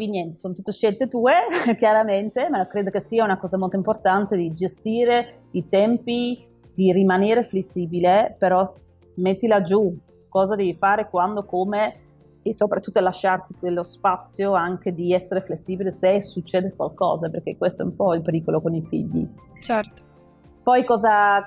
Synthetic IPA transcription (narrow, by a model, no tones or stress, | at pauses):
kinjɛnt̪e̥soːnt̪ut̪ːoʃɛlt̪et̪uːekjaɾament̪emakɾeːd̪okesiːaunakɔːzamolt̪oimport̪ant̪ed̪id͡ʒest̪iːɾe | it̪ɛmpi | d̪irimaneːɾeflesːiːbilepeɾɔ | met̪ːilad͡ʒu | kɔːzad̪ɛːvifaːɾekwand̪okome | esopɾat̪ːut̪ːoalaʃːart̪ikelːospat̪sːjoaŋk̟ed̪iɛsːeɾeflesːiːbilesesut͡ʃːɛːd̪ekwalkɔ̰ːzaperk̟ekːwest̪oɛ̰umpɔilpeɾiːkolokonifḭʎːḭt͡ʃɛrt̪o̥ | pɔjkɔːza